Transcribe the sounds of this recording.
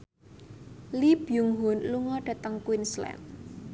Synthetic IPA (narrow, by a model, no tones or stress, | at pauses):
lib̥juŋɦʊnluŋɔɖ̥ä̤t̪əŋkwinslɛ̰n